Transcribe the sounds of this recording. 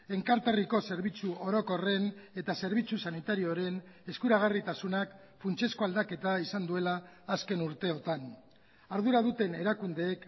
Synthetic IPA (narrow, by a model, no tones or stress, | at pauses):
e̞ŋkaɾt̪ariko̞se̞ɾβ̞it͡suo̞ɾo̞ko̞re̞ne̞t̪ase̞ɾβ̞it͡susanit̪aɾioɾe̞ne̞skuɾaɣ̞arit̪asunak | funt͡ʃe̞sko̞ald̪ake̞t̪aisand̪ue̞laːske̞nuɾt̪e̞o̞t̪an | aɾðuɾaðut̪e̞ne̞ɾakund̪e̞ːk